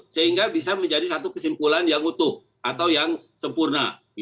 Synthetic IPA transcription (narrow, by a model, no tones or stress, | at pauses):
səɦiŋɡabisaməɲd͡ʒadisat̪ukəsimpulanjaŋut̪ʊh | ʔat̪awjaŋsəmpurna